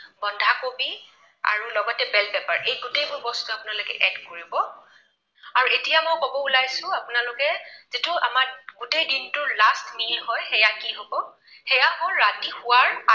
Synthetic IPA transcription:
bɔndʱakobi | a̰ɹulɔɡɔtɛbɛlbɛpaɹʔejɡutejbʊbɔstuapʊnalokɛ̰ʔɛdkoɹibɔ | aɹuetijamojkɔbɔulajsʊ̃apʊnalʊkɛzitʊa̰maɹɡ̥utejdintʊɹlastmilɦɔjxɛjakiɦobɔ | xɛjahɔɹatixʊwaɹa

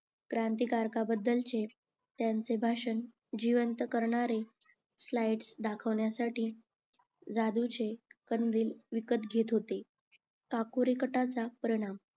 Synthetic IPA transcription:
kɾant̪ikaɾkabəd̪ːəlt͡se | t̪jant͡sebʱaʂən | d͡ʑiʋənt̪kəɾɳaɾe | slajʈsd̪akʰəʋɳjasaʈiː | d͡zad̪ut͡sekənd̪iːlʋikət̪ɡʱet̪ɦot̪e | kakuɾikəʈat͡sapəɾiɽ̃am

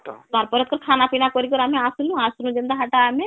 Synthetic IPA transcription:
kaɾpɔɾət̪̚kəɾkʰaːnapinakɔɾikɔɾaːmẽasulũaːsunũd͡ʒẽnd̪aɦaʈamẽ

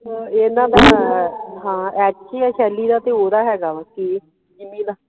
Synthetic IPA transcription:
eːnãːd̪aː | ɦãːɛːʃʰiːɛːʃʰɛːliːd̪aːt̪eːoːd̪aːɦɛːɡaːki | d͡ʒɪmĩːnaː

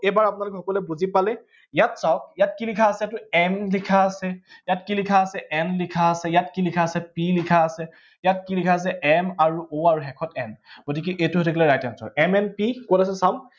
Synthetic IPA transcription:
ebaɹapʊnalʊkɛxɔkɔlɛbuzipalɛ | jatsaɔk̚jat̚kilikʰaːsɛjatʊɛmlikʰaːsɛjatkilikʰaːsɛʔɛnlikʰaːsɛjatkilikʰaːsɛpilikʰaːsɛ | jat̚kilikʰaːs̬ɛɛmaɹuoaɹuɦɛkʰɔtɛnɡ̥ot̬ikɛʔetʊɦotʰikʰɛlɛɹajtansɔ̰ɹɛmɛnpikolas̬ɛsam

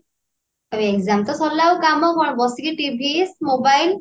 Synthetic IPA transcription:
abeekzamt̪ɔsɔlːawkamɔkɔɳ̃bɔsikiʈibʱismobajl

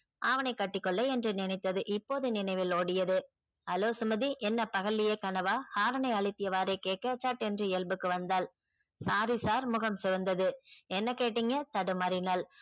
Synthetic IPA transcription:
ʔɐʋɐnɐɪkːɐʈːɪkːɔɭːɐɛndrɯnɪnɪt̪ːɐðɯʔɪpːoːðɯnɪnɐɪʋɪloːɽɪjɐðɯ | ɐloːsʊmɐðiʔɛnːɐpɐɣɐlːɪjeːkɐnɐʋaːhaːɾɐnɐɪɐɭɪt̪ːɪjɐʋaːɾeɪkeːʈ̚kɐt͡ʃːaːʈɛndrɯɪlbɯkːɯʋɐnd̪aːl | saːɾisaːɾmʊɣɐmsɛʋɐnd̪ɐðɯɛnːɐkeːʈːɪŋɡɐt̪ɐɽɯmɐɾɪnaːl

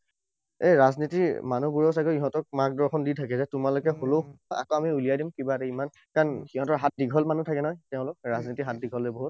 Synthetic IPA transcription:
eɹaznitimanubuɹɔs̬akɔiɦɔ̃tɔk̚mak̚dɔɹxɔnditʰakɛzɛtʊmalokɛxoloa̰koamiulijajdimkibatɛiman | kanxiɦɔ̃tɔɦat̚diɡʱɔlmanutʰakɛnɔjtɛʊ̃lʊkɹaznitiɦat̚diɡʱɔleboɦut̚

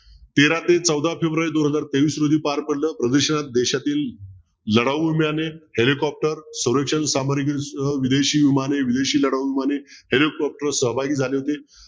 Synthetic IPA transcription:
t̪eɾat̪et͡səwd̪ʱafebɾwaɾiːd̪onɦəd͡zaɾt̪eʋiːsɾod̪ʱiːpaɾpəɽləːpɾəd̪əɾɕənat̪̚d̪eɕat̪iːlː | əɽaʋimjanehelikɔp̚ʈəɾsəwɾəkʂənsamaɾikʋid̪eɕiːʋimaneʋid̪eɕiːləɽaʋʋimanehelikɔp̚ʈəɾsəɦbʱaɡiːd͡zʱaleɦot̪e

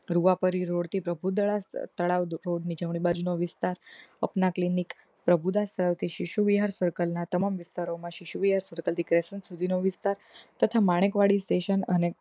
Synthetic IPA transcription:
ɾuʋapəɾiɾoɽt̪ipɾəbʱud̪əɭast̪əɭaʋɾoɽnid͡ʒəʋɳ̃ibad͡ʒunoʋɪst̪aɾə̰pnaklinik | pɾəbʱud̪ast̪əɭaʋt̪ʰiʃiʃuʋiɦaɾsəɾkəlnat̪əmamʋɪst̪aɾomãʃiʃuʋiɦaɾsəɾkəlt̪ikɾesənsud̪ʱinoʋɪst̪aɾt̪ət̪ʰamaɽ̃ekʋaɽisʈeʃənəne

